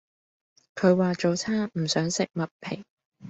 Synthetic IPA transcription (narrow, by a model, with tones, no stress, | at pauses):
kʰɵ˨˧ɥwaː˨t͡ʃo˨wt͡sʰaː˥ŋm̩˨˩sœː˨˥ŋsɪ˨k̚mɐ˨t̚pʰe˨˩ŋ